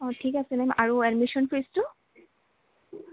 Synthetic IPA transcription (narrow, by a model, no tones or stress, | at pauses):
ɔtʰikasɛnɛmʔaɹuɛɖmiʃɔnpɹistu